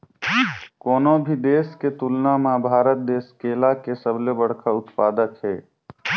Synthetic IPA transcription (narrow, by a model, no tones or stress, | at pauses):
koːnobʱid̪eːsket̪ulnamãbʱaːɾət̪̚d̪eːskeːlakesəblebəɽ̤kʰaʊt̪paːd̪ək̪ɦɛː